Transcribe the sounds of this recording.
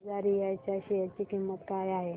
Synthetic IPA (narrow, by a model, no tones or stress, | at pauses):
d͡zaɾijat͡ɕaɕiat͡ɕikimːət̪kajaɦe